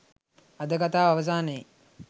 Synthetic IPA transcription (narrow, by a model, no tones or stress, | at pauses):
ad̪əkat̪aːʋaʋəs̬aːnəj